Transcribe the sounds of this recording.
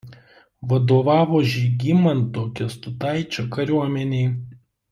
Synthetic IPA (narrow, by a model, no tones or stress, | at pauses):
ʋɐd̪oːʋɑːʋoːʒʲiɡʲimɐnt̪oːkʲɛst̪ʊt̪ɑˑɪt͡ʃʲoːkɐɾʲuɔmʲɛnʲeɪ